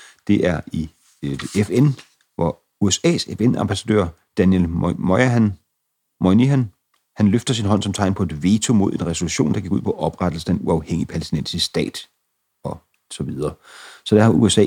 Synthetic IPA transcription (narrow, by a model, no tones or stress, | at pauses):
d̥e̝ʔæɐi | efen | ʋɒ | uesɛ̰ːsefenɑ̈mb̥æsæd̥ø̰ɐ̰ | d̥ænjelmɒɪn | mɒniæn | hænløfd̥ɐsinɦɒ̽n̰sɒ̽mt͡sʰɑ̈ɪnpʰɒ̽e̝d̥ʋe̝ːt͡sʰo̝mo̝ð̞ˠe̝nʁɛso̝luɕo̝̰ːnd̥ɑɡ̥iɡ̥uð̰ˠpʰɒ̽ʔɒ̽b̥ʁad̥l̩səe̝nuɑ̈ʊheŋ̰ipʰælesd̥inen̰sisd̥ɛ̰ːd̥ | ɒ̽ | sɒ̽ʋið̞ˠɐː | sɒ̽d̥æɐhɑ̈uesɛ̰ː